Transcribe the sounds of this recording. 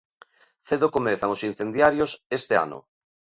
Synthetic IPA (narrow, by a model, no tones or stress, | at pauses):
θeðokomeθaŋosin̟θend̪jaɾjosest̪ea̰nʊ̰